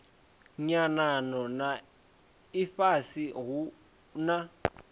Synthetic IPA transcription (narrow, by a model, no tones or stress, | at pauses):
ɲananɔna | ifasiɣu | na